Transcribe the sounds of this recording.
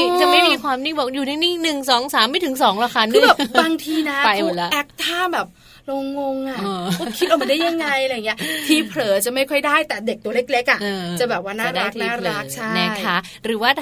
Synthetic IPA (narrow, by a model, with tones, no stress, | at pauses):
t͡ɕa˨˩ma˥˩jmiː˧kʰwaː˧mni˥˩bɔ˨˩juː˨˩naː˥˩ni˥˩ŋnɯ˨˩ŋsɔː˩˦ŋsaː˨˩˦mːa˥˩jt̪ʰɯ˨˩˦ŋsɔː˩˦ŋla˧˩kʰa˦˧nʰkɯː˧˥bɛː˨˩baː˧ŋt̪ʰiː˧na˦˥a˧jmo˧˨˩lɛ˦˥ʔɛ˨˦˥k̚t̪ʰaː˥˩bɛː˨˩p̚ | lo˧ŋːo˧ŋʔa˨˩ɔ˧ɔ˧˦˥kʰt̪̚ʔa˧ma˧nda˥˩ja˧ŋːa˧jʔa˧ɾjːŋi˦˥ə˧t̪ʰiː˧˩pʰlɤː˨˩˦t͡ɕa˨˩ma˥˩jkʰɔ˥˩jdaː˥˩jt̪ɛː˨˩de˨˩k̚t̪u˧leː˥˩k̚le˦˥k̚ʔa˨˩ʔːt͡ɕa˨˩bɛː˨˩p̚waː˥˩naː˨a˨˩da˥˩t̪ʰniː˦˥˩ɾaː˧˥˩k̚t͡ɕʰa˥˩na˦˥˩kjʰa˦˥ | ɾɯː˩˦waː˥˩t̪ʰ